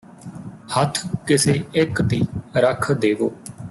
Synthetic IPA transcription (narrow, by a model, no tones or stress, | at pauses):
hət̪ʰkɪseːɪkd̪iːɾəkʰd̪eːʋoː